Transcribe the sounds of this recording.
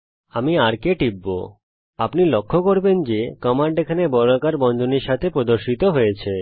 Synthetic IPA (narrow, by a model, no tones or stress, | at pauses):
amiaɾkeʈibːo̰ | apnilokʰːokoɾbend͡ʑekɔmaɳɖekʰanebɔɾokaɾbɔnd̪ʱoniɾʃat̪ʰepɾod̪oɾʃit̪oɦojet͡ɕʰe